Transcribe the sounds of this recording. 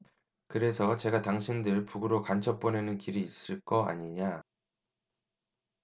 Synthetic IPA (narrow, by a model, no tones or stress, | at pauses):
kɯɾe̞sʰʌt͡ɕe̞ɡataŋɕʰindɯɭpuɡɯɾokant͡ɕʰʌp͈onenɯnkiɾiːs͈ɯɭk͈ʌa̰ɲiɲa